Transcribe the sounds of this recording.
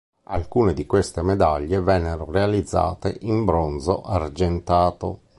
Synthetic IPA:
a̰lkuːned̪ikwest̪emed̪aʎːevɛnːeɾorealid̪zːa̰ːt̪ḛʔimbɾonzo̰ʔard͡ʒent̪aːt̪o̰

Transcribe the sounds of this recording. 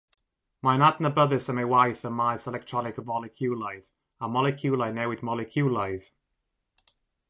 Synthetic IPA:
majnadnəbəðɪsəmewajθənmajsɛlɛk̚tʰɹ̥ɔnɪkəvmɔlɪkʰjuːlajð | əmɔlɛkʰjuːlajnɛwɪdmɔlɪkʰjuːlajð̥

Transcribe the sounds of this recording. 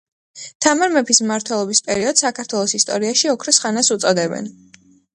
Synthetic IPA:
t̪ʰamaɾmɛpʰismaɾt̪ʰwɛlˠɔbispʼɛɾiɔd̪̥sakʰaɾt̪ʰwɛlˠɔsist̪ʼɔ̰ɾiaʃiɔkʰɾɔsχanasut̪sʼɔd̪ɛbɛ̰n

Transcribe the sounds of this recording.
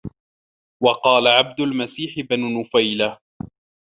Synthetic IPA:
wɑqɑːlaʕab̚d̪ʊlmasiːħɪbnʊnʊfajla

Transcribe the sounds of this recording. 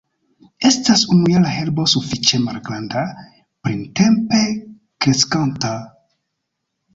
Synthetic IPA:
e̞stasunujalaɦe̞lbo̞sufit͡ʃe̞malɡɾanda | pɾinte̞mpe̞ | kɾe̞skanta

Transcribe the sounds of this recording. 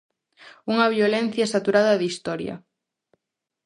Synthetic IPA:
uŋɐβjolɛn̟θjɐesat̪uɾaðɐðist̪ɔɾjɐ̰

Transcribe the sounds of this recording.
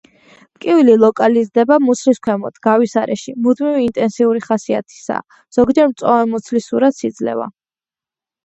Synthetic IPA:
mkʼiililˠɔkʼalizd̪ɛbamut̪sʰliskʰʷwɛmɔt̪ʰɡ̥avisaɾɛ̰ʃimud̪miviːnt̪ʼɛnsiuɾiχasiat̪ʰi̥sa̰ | z̥ɔɡd͡ʒɛɾmt̪sʼɔvɛmut̪sʰlisuɾat̪sid̪zlɛ̰va̰

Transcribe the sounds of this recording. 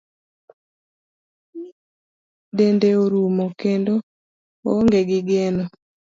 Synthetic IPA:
dendeoɾumokendo | oŋɡeɡɪɡenɔ

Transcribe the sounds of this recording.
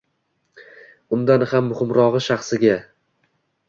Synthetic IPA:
ʊnd̪anhamːʊhɪmɾɒʁɨʃaχsɪɡʲa

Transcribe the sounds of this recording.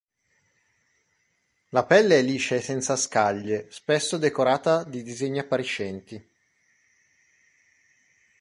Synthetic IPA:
lapɛlːeɛlːiːt͡ʃesɛnt̪saskaʎːespɛsːod̪ekoɾaːt̪ad̪id̪izeɲːiapːaɾit͡ʃːɛnt̪i

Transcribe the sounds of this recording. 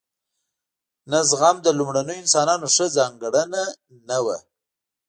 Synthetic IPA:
nazɣamd̪əlʊmɽanəjoɪnsɑnɑnoʂəzɑŋɡɽəna | nawa

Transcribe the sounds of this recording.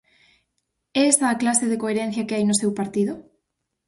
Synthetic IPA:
ɛɛsaːklaseðekoeɾɛ̃n̟θjɐkeajnʊsewpaɾt̪iðo

